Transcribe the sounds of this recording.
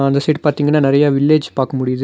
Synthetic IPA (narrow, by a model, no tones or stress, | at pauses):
ɐnd̪ɐsiːʈpaːɾt̪iːŋɡɐnːaːnɪɾɐjaːʋɪɭːeːd͡ʒpaːɾkɐmʊɽɪjɐðɯ